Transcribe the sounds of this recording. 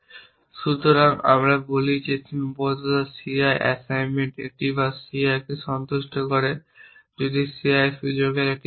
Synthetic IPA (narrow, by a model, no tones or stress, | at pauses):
ʃut̪oɾaŋa̰mɾabolit͡ɕet͡ɕʰinbɔt̪at̪asiajʔɛ̰sajnmeɳʈḛk̚ʈibasiajkeʃɔnt̪uʃʈʰokoɾed͡ʑod̪isiajʃud͡ʑoɾɡeɾɛk̚ʈi